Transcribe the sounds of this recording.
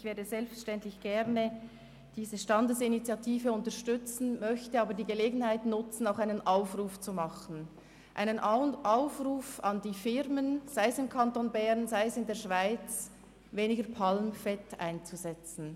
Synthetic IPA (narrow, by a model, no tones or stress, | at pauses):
ɪçv̥eːɐdəzɛlpfəʃtɛntlɪçɡ̥ɛʁnə | d̥iːzəʃtɑndəsinit͡sjɑtʰiːfəʊntəʁʃtʏt͡sn̩mœçtəɑːbəɾdiːɡəleːɡn̩haɪtnʊt͡sn̩aʊxaɪnənʔaʊfʁuːft͡sumɑχn̩ | ʔa̰ɪnənʔaʊfruːfɑndiːfɪʁmənz̥aɪəsɪmkʰɑntonbɛʁnzaɪəsɪndeːɐʃv̥aɪt͡s | veːnɪɡəɾpʰɑlmfɛta̰ɪnt͡suzɛt͡sn̩